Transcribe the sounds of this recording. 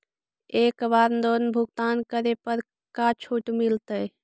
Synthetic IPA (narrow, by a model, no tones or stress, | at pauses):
eːkbaːɾnd̪oːnbʱʊɡt̪aːnkəɾepəɾ | kat͡ʃʰuʈmilt̪ə